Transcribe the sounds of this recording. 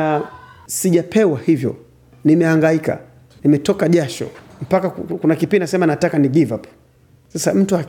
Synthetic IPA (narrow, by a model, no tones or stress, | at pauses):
siʄapʰɛwahivjɔ̰ | nimɛaŋɡaika̰ | nimɛtɔkaʄaʃɔ̰m̩pakakunakipindasɛmanatakaniɡivap | sasam̩tuak